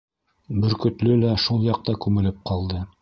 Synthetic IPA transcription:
bɵ̆ɾkɵ̆t̪lɵlæʃulˠjɑq̚t̪ɑkʉŋɘ̆lɘp̚qʰɑlˠd̪ɤ

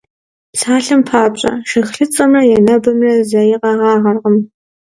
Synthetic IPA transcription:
psaːɬɐmpʰaːpɕʼɐ̰ʃɨxɬɨt͡sʼɐmrɐjɛnɐbɐmrɐzɐjɪqɑʁɑːʁɐrʁəm

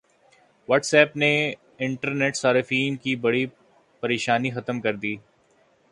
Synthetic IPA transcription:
ʋɐːʈsɛːpne | ɪ̃ɳʈəɾneːʈsaːɾɪfiːnkibɐɽi | pɐɾeːʃaːnixɐt̪əmkɐɾd̪iː

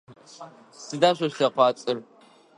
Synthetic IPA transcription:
sɨdaːɕʷɐɕɬɐqʷɑːt͡sʼɨr

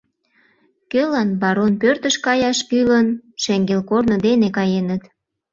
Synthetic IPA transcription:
kølɑnbɑɾonpørt̪əʃkɑjɑʃkylənʃeŋɡelkornod̪enekɑjenət̪

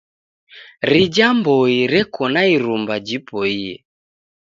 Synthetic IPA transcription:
ɾid͡ʒambɔiɾɛkɔnaiɾumbad͡ʒipɔiɛ̰

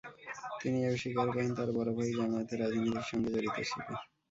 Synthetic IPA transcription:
t̪iniebʃikaɾkɔent̪aɾbɔɾobʱaɦid͡ʑamaot̪eɾad͡ʑnit̪iɾʃɔŋɡed͡ʑoɾit̪ot͡ɕʰḭbe

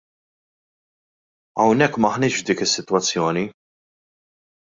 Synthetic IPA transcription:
ɐwnɛkːmɐħnɪːʃvd̪iːkɪsːɪt̪wɐt͡sːjɔːni

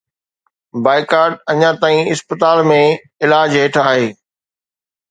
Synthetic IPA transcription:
baːɪkaːɾɖ̚ɐɲãt̪aːĩɪspət̪aːlmẽ | ɪlaːd͡ʑɦeːʈʰaːɦeː

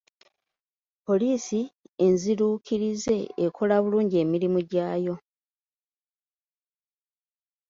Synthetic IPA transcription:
po̞liːsienziɾuːkʰiɾize̞ekʰo̞laβuluːɲɟie̞ːmiɾimuɟaːjo̞

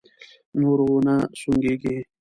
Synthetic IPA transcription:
nuɾonasuŋɡeɡe

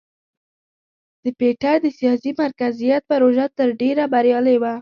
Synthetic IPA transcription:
d̪̥əpeʈaɾd̪əsijɑsimaɾkazijat̪̚paɾoʒat̪əɾɖeɾabaɾjɑləjwa

